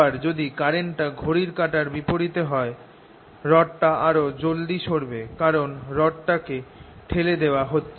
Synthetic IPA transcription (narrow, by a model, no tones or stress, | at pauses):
aɾd͡ʑod̪ikaɾeɳʈaɡʱoɾiɾkaʈaɾbipoɾit̪eɦɔe | ɾɔʈʈaaɾod͡ʑold̪iʃoɾbekaɾonɾɔʈʈake | ʈʰeled̪eoaɦotːɕʰ